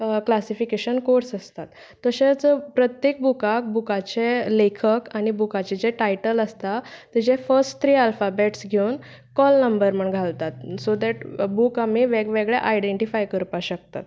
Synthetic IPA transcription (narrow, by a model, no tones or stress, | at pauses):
klasifikeɕənkoɾsəst̪at̪ː | əɕet͡səpɾət̪jek̚bukak̚bukat͡ɕelekʰəkañibukat͡ɕed͡ʑeʈajʈələst̪at̪id͡ʑefəsʈt̪ʰːɾiːalfabeʈsɡʱewn | kɔlnəmbəɾməɳɡʱalt̪at̪̚sod̪æʈbukamiʋeɡʋeɡɭḛʔajɖeɳʈifajkəɾpaɕək̚t̪a̰t̪